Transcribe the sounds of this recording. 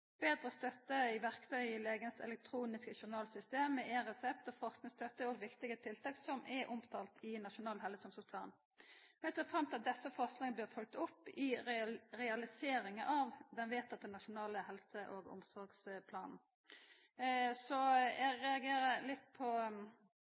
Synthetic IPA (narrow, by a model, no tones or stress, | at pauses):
b̥eːd̪ɾəst̪œt̪ːəɪʋæʁkt̪ʰœʏɪleːɡənəsɛ̰lɛk̚t̪ʰɾuːnɪskəçʊʁnɑːlsʏst̪eːməʔɛʁɛsɛp̚t̪ɔfɔʁsknɪŋst̪œt̪ːəoːɡʋɪkt̪ɪɡət̪ʰɪlt̪ʰɑːksɔmʔɛʔʊmt̪ʰɑːlt̪ʰɪnɑʃʊnɑːlɦɛləsɔmsɔspʰlɑːn | ʋɛseːfʁɑmt̪ɪɑt̪̚d̪ɛsːəfɔʁsknɪŋəbøːʁfɔlk̚t̪ʊpːɪʁɛɑlɪseːɾɪŋəʔɑʋd̪ɛnʋeːt̪ɑt̪̚d̪ɛnːɑʃʊnɑːləhɛlsəʔoɡʊ̰msɔʁɡspʰlɑːnn̩ | sɔjæɡʁɛɑɡeːɾəlɪt̪ːpʰɔ